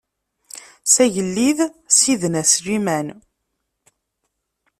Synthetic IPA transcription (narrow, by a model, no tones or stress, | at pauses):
sæʝəlːiðsiðnæsɾimæn